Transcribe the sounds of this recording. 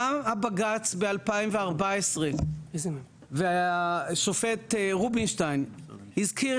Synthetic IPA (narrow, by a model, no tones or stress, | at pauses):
ahabaɡat͡sbealpaimveaʁbaesʁe | veaʃofet̪ʁubinʃtajnhizkiʁ